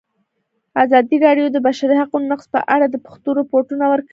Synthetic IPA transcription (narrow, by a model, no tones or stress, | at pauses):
azɑd̪iɾɑɖjod̪əbaʃaɾihaqunonaqspə̰ʔaɽad̪əpʊ̥xt̪oɾapoɾʈunawəɾk